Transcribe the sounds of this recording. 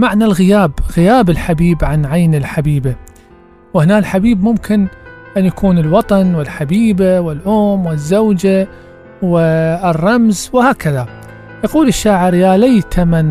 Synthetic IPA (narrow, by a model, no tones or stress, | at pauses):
maʕnalɣɪjaːbɣɪjaːbɪlħabiːbʕanʕajnɪlħabiːba | wɪhnaːlħabiːbmʊmkɪnʔanjakʰuːnɪlwɑt̪ˤɑnwɪlħabiːbawɪlʔʊːmwɪzːawd͡ʒa | wɪrˤːɑmzwɪhaːkaða | jaquːlɪʃːaːʕɪɾjaːlajt̪ʰaman